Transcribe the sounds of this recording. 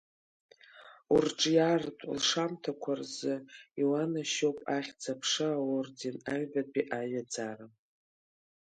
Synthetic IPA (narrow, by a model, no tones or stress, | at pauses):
urʈ͡ʂʼjartʼlʂamtʰakʷʰarzɨiwanaʃopʼaχʲd͡zapʰʂɨawordinaɥbapʼiʔaɥad͡zara